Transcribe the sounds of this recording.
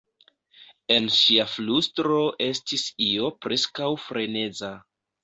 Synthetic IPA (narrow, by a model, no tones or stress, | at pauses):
e̞nʃiaflustɾo̞ʔe̞stisio̞pɾe̞skawfɾe̞ne̞d͡za